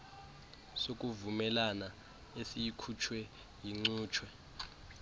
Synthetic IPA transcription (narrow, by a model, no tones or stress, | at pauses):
sokʼuvumɛlana | esijikʰut͡ʃʰwɛ | jiŋ͡ǀuːt͡ʃʰwɛ